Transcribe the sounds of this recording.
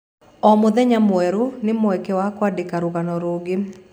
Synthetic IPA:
ɔmʊd̪ɛɲamwɛɾonɪmɔɛkɛwakwadɪkaɾʊɡanɔɾoɡɪ

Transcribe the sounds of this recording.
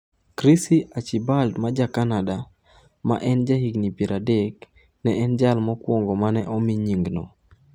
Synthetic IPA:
kɾisiʔat͡ʃibaldmad͡ʒakanada | ma̰ʔɛnd͡ʒaɦiɡnipiɾadɛk | nɛʔɛnd͡ʒalmɔkwɔŋɡɔmanɛʔɔmiɲiŋɡnɔ̰

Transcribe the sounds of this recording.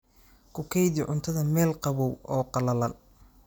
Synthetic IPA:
kʰʊkʰɛjd̪ɪʕʊnt̪ʰɐðɐmɛːlqɑβɔwɔːqɑlɐlɐn

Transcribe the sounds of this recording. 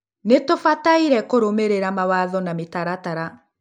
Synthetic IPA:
netofataiɾɛkoɾomeɾeɾamawaðɔnametaɾataɾa

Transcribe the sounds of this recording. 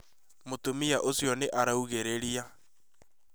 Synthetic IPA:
motomiaʔosjɔneʔaɾauɣeɾeɾia

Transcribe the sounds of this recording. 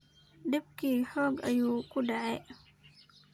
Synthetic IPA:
ɖɪbkʰiːħɔːɡɐjuːkʰʊɖɑʕɛ

